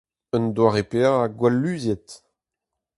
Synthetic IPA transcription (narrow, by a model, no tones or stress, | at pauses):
ənd̪waʁepeaaɡwalːyːzjɛt̪